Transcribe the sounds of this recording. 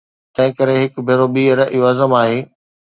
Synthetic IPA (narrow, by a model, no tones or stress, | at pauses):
t̪ɐ̃ɦɪ̃kɐɾeɦɪkbʱeːɾoɓiːəɾəʔɪʋaːzəmaːɦeː